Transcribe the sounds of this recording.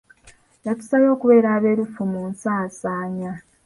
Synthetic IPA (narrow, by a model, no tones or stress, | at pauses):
jatu̥saβo̞ːkuβe̞ːɾaːβe̞ːɾufumunsaːsaːɲa